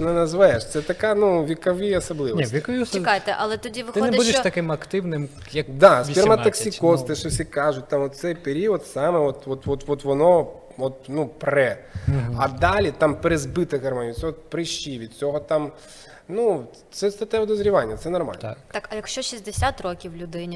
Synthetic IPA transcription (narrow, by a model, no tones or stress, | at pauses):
ɔnɛnɐzʋajeʃt̪sɛt̪ɐkɑnuʋʲikɐʋiɐsɐblˠɪʋnʲiʋʲikɐʋʲist͡ʃɪajt̪ɛʔɐlˠɛt̪ɔdʲiʋɪxɪnɛb̪ʲud̪eʃt̪ɐkɪmɐkt̪ɪʋnɪm | jɐkd̪asʲpirmɐnɐksʲikɔst̪ɪʃɔsʲikɑʒʊt̚ʲt̪ɑmɔt̪̚sɛjpeɾʲiɔd̪sɑmɛɔt̪ɔt̪ʋɔt̪ʋɔt̪ʋɔnɔ | ɔt̪nupɾɛ | ɐd̪ɑlʲit̪ɑmpeɾezbɪt̪ɪɣɐrmɔnʲisʲɔɦɔt̪pɾɪʃt͡ʃiʋʲid̪t͡sʲɔɦɔt̪ɑm | nu | t̪sɛst̪ɐt̪ɛʋɪd̪ɔzɾʲiʋɑnʲːɐt̪sɛnɐrmɑ̰l̰ʲt̪ɑkɐjɐkʃt͡ʃɔʃizʲd̪esʲat̪rɔkʲiwlʲʊd̪ɪnʲi